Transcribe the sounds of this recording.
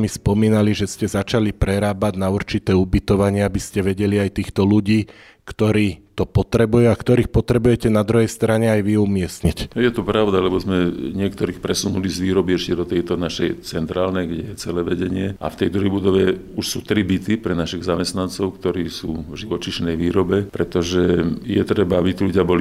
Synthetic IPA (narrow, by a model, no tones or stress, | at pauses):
mispɔmiːnaliʒɛscɛzat͡ʃalipɾɛɾaːbaɟnauɾt͡ʃit̪ɛːubit̪ɔʋaɲɪɛabiscɛʋɛɟɛliajt̪iːxt̪ɔluɟiː | kt̪ɔɾiːt̪ɔpɔt̪ɾɛbujuakt̪ɔɾiːxpɔt̪ɾɛbujɛcɛnad̪ɾuɦɛjst̪ɾaɲɛajʋiumɪɛsɲicjɛt̪ɔpɾaʊd̪alɛbɔzmɛɲɪɛkt̪ɔɾiːxpɾɛsunulizʋiːɾɔbiɛʃcɛd̪ɔt̪ɛjt̪ɔnaʃɛjt͡sɛnt̪ɾaːlnɛɡɟɛjɛt͡sɛlɛʋɛɟɛɲɪɛʔa̰ft̪ɛjd̪ɔʋɛjbud̪ɔʋɛ | uʃsuːt̪ɾibit̪ipɾɛnaʃiɣzamɛst̪nant͡sɔʊkt̪ɔɾiːsuːvʒiʋɔt͡ʃiʃnɛjʋiːɾɔbɛpɾɛt̪ɔʒɛjɛt̪ɾɛbaabit̪iluɟɪabɔli